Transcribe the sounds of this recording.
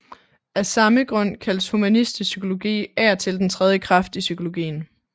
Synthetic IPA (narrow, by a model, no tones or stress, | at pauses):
æsɑ̈məɡ̥ʁɔ̽n̰kʰæl̰shumænisd̥isykʰo̝lo̝ɡ̥ḭːæɐt͡sʰe̝ld̥ent͡sʰʁɛð̞ˠjəkʰʁɑ̈fd̥isykʰo̝lo̝ɡ̥ḭːn̩